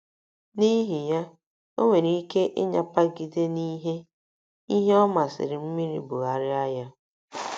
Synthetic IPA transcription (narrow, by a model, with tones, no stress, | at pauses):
ni˦ɦi˨ja˦ | o˦ŋʷe˨ɾi˦i˦ke˦ʔɪ˦ɲa˨pa˦ɡi˦de˦ni˦ɦe˦ | i˦ɦe˦ɔ˦ma˨sɪ̰˨ɾɪ˨m̩˦mi˦ɾḭ˨bʊ˨ɣa˨ɾɪ˦a˦ja˦